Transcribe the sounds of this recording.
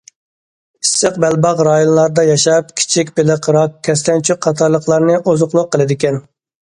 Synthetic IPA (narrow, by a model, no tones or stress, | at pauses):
isːəqbɛlbɑqɾɑːjonlˠɑɾd̪ɑjɑʃɑpkʲʰi̥t͡ʃʰikʲbɪlɪqɾɑkʲʰːɛs̬t̪ʰɛnt͡ʃʰyqʰːɑt̪ʰɑɾlˠəqlˠɑɾnɨʔozʊqlˠʊqʰːəlˠɨd̪ɪkʲɛn